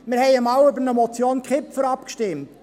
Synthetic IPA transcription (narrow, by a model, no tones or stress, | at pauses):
mɪɾhɛɪɪmaʊʏbənəmɔt͡sjoːnkχɪpfəɾɑpkʃtɪmt